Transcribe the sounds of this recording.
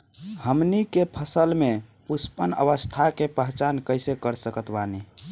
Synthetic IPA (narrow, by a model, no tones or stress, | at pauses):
həmnikepʰəsəlmepuspənə̰ʋəst̪ʰakepəɦt͡ʃankəjsekəɾsəkət̪bani